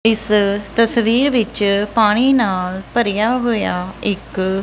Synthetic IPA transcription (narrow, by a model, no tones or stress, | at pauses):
ɪst̪əsʋiːɾʋɪt͡ʃpaːɽ̃iːnaːlpəɾɪjaːɦojaːɪk